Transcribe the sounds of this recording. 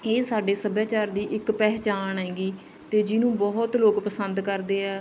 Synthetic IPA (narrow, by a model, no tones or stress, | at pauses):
eːsaːɖeːsəbaːt͡ʃaːɾd̪iːʔɪkpɛːɦt͡ʃaːnɦɛ̃ːɡiː | t̪eːd͡ʒɪnũːbɔɦʊt̪loːkpəsənd̪kəɾd̪eːɛː